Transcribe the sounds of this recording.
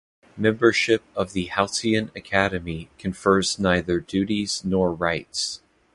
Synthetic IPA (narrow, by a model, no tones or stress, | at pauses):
mɛ̃mbə˞ʃɪp̚ʌvðɨhaʊsiɨ̃nɨkʰæɾɨmikʰɨ̃ɱfɜ˞znaɪðə˞dʉɾiz̥nɔɹɹaɪts